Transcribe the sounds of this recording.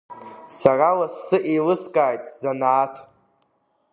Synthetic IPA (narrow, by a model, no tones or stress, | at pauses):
saralassɨʔelɨskʼaːjtʼzanaːtʰ